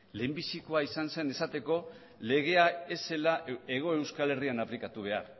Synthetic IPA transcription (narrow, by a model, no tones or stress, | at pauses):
le̞ːmbisiko̞aisanse̞ne̞sat̪e̞ko̞ | le̞ɣ̞e̞ae̞se̞lae̞ɣ̞o̞e̞wskale̞rianaplikat̪uβ̞e̞a̰ɾ